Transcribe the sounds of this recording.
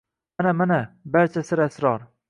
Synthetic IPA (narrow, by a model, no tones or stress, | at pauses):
manamanabaɾt͡ʃʰasɪɾasɾɒɾ